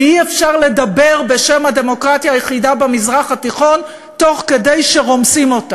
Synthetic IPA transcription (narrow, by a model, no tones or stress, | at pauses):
iefʃaʁle̞d̪abe̞ʁbe̞ʃe̞mad̪emo̞kʁat̪jaːjeχidabemizʁaχatiχo̞n | to̞χke̞dejʃeʁo̞msimo̞ta